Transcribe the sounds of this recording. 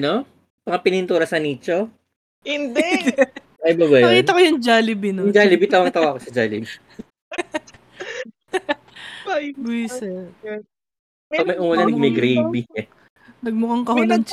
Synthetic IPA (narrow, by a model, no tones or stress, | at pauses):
no | pɐŋɐpɪnɪnt̪uːɾɐsɐniːt͡ʃo | hɪnd̪ɛ | ɐjbaːbajɐkiːt̪ɐkojʊŋd͡ʒaːlɪbɪnoʊŋd͡ʒaːlɪbit̪awɐŋt̪ɐwaːkosɐd͡ʒaːlɪbi | bʊsɛɾ | pɐɡ̚mɐjʔʊmɐlɐnɐɡmɐjɡɾejbi | nɐɡ̚mʊkɐŋkɐhʊnɐn